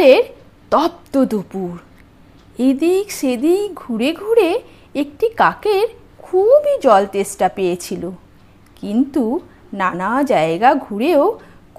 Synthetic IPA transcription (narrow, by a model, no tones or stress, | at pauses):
eɾ | t̪ɔb̚t̪od̪upuɾ | ed̪ikʃed̪iɡʱuɾeɡʱuɾe | ekʈikakeɾ | kʰubid͡ʑɔlt̪esʈapejet͡ɕʰilo | kint̪u | nanad͡ʑaeɡaɡʱuɾeok